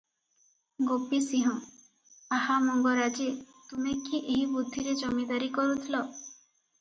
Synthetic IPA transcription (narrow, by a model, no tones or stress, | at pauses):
ɡopisiɦɔ̃ | ahamɔŋɡɔɾad͡ʒe | t̪umekiʔeɦibud̪ʱːiɾed͡ʒɔmid̪aɾikɔɾut̪ʰilɔ